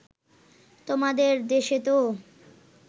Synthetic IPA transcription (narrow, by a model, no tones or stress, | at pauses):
t̪omad̪eɾd̪eʃet̪o